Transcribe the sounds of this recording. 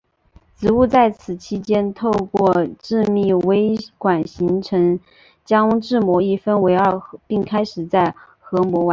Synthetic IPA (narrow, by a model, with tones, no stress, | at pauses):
t͡sɹ̩˧˥u˥˧t͡sa˥˩ɪt͡sʰɹ̩˨˩t͡ɕʰi˥t͡ɕjɛ˥nt̪ʰo˥˧ʊkwɔ˥˧ʈ͡ʂɻ̩˥˧mi˥˩we˥ɪkwa˨˩nɕi˧˥ŋʈ͡ʂʰɤ˧˥ŋ | t͡ɕjɑ˥ŋʈ͡ʂɻ̩˥˩mwɔ˧˥i˥˩fə˥nwe˧˥ɪɑ˥˩pi˥˩ŋkʰa˥ɪʂɻ̩˨˩t͡sa˥˩ɪ | xɤ˧˥mwɔ˧˥wa˧˥